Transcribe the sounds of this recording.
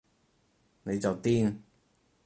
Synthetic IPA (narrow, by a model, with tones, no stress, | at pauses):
ne˨˧jt͡sɐ˨wt̪iː˥n